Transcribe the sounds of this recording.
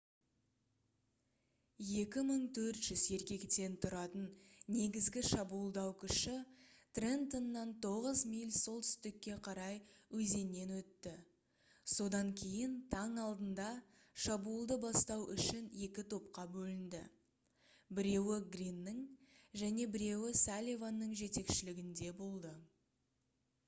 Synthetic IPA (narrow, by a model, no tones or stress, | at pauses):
je̞kʲɪməɴt̪ʰɵɾt̪ʒ̥ʏzje̞ɾkʲe̞kt̪e̞nt̪ʰʊɾɑt̪ənne̞ɡʲɪzɡʲɪʃɑbuːlˠd̪ɑwkʲʰʏʃɪt̪rent̪onːɑnt̪ʰo̞ʁəzmijlʲso̞lˠt̪ʰʏ̥st̪ɪkʲːe̞qʰɑɾɑjwɵze̞nːe̞nwɵt̪ːɪ | so̞d̪ɑŋkʲʰe̞jɪnt̪ʰɑɴɑlˠd̪ənd̪ɑ | ʃɑbuːlˠd̪əbɑst̪ɑwʔʏ̰ʃɪne̞kʲɪt̪ʰo̞p̚qɑbɵlɪnd̪ɪ̰ | bɪɾe̞wɪɡrinːəŋʒæne̞bɪɾe̞wɪsalʲivanːəɴʒe̞t̪e̞kʃɪlɪɡʲɪnd̪e̞bo̞lˠd̪ə